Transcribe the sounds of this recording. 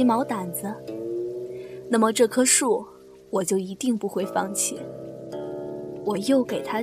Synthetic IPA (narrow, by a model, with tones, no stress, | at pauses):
mɑ˧˥ʊt̪a˨˩nd͡zə˦ | na˥˩mə˩ʈ͡ʂɤ˥˩kʰɤ˥ʂu˥˩ | wɔ˨˩t͡ɕjo˥˩ʊi˧˥t̪i˥˧ŋpu˥˩xwe˥˧ɪfɑ˥˧ŋt͡ɕʰḭ˥˩ | wɔ˨˩jo˥˩ʊke˨˩ɪt̪ʰa˥